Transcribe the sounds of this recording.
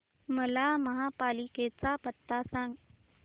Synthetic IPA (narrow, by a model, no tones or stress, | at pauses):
məlaməɦapaːliket͡sapət̪ːasãŋɡ